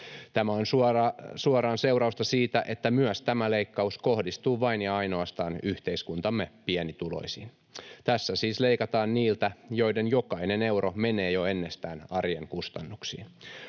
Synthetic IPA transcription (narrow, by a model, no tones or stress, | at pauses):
t̪æmæonsuɑɑsuɑɾɑːnse̞wɾɑust̪ɑsiːt̪æʔe̞t̪ːæmyœst̪æmæle̞ikːɑusko̞hdist̪uːʋɑinjɑɑino̞ɑst̪ɑːnyht̪e̞iskunt̪ɑmːepiɛnit̪ulo̰isḭːn | t̪æsːæsiːsle̞ikɑt̪ɑːnniːlt̪æjo̞idenjokɑine̞ne̞wɾʔome̞neːjoenːest̪æːnɑrjeŋkust̪ɑnːuksḭːn